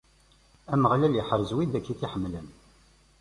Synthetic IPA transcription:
æməʁlæljiħəɾzwid̪ækːiθiħəmːlən

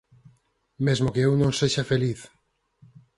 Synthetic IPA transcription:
mezmokeewnõŋseʃafeliθ

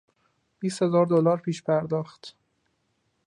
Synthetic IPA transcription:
b̥iːst̪he̞zɒːɾd̪olɒːɾpʰiːʃpʰæɾd̪ɒːxt̪ʰ

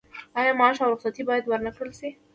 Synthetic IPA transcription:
ɑjɑmɑʃawɾʊqsat̪ibɑjad̪wəɾnakɽəlʃi

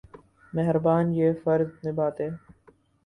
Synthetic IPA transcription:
mɛɦɾbaːnjeːfɐɾznebaːt̪eː

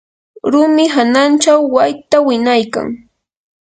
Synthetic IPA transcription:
ɾʊmɪɦanant͡ʃawːajt̪awɪnajka̰ŋ

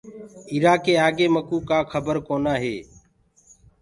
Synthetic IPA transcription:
iɾaːkeːaːɡeːməkuːkaːkʰəbəɾkoːnaːɦḛː

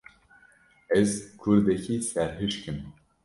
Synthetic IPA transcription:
ɛzkʰuɾd̪ɛkʰisæɾɦɨʃkɨm

